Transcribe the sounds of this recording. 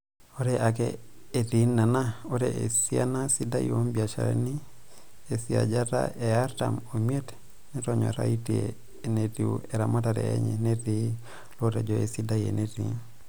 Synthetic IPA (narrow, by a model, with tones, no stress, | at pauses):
o˦ɾeʔa˨kḛː˨ti˨na˨na˦o˦ɾee˨sia˦na˦si˦da˦io˦mbia˨ʃa̰˨ɾḛni˦ | e˨sia̰˨d͡ʒata̰˦ʔe˨a˦ɾta̰momie˦t | nɛtoɲɔ̰˨ɾa̰itiḛ | ne˨ti˨ṵe˨ɾa˨ma˦taɾɛ̰˨ḛ˦ɲɛ̰˨neti˦ | loɾe˨d͡ʒoe˨si˦da˦jḛ˨neti